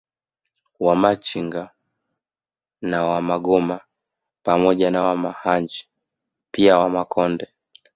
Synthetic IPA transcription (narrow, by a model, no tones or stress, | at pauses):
wamat͡ʃiŋɡa | nawamaɡɔma | pamɔʄanawamahaɲd͡ʒi̥ | piawamakʰɔndɛ